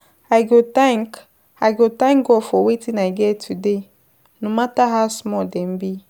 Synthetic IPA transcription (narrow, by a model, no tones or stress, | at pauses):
ajɡotãŋk | ajɡotãŋɡɔfɔwetĩnaiɡɛtʰude | numataɦasmɔdɛ̃mbi